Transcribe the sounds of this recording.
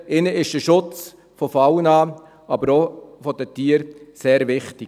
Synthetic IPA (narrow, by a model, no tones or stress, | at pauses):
ɪnəɪʃd̥əʃʊt͡s | fɔfawənɑː | ɑbəɾofɔdətiːəɾseːɾvɪχtɪ